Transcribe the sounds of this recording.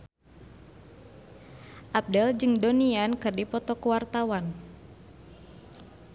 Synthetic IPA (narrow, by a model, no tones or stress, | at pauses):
ʔap̚dɛld͡ʒɨŋdoniankɨrdipɔt̪ɔkuwart̪awan